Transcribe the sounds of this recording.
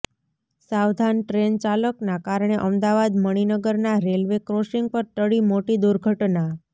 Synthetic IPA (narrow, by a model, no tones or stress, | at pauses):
saʋd̪ʱanʈɾent͡ʃaləknakaɾɳ̃eʔəmd̪aʋad̪məɽ̃inəɡəɾnaɾelʋekɾoʃiŋɡ̚pəɾt̪əɭimoʈid̪uɾɡʱəʈna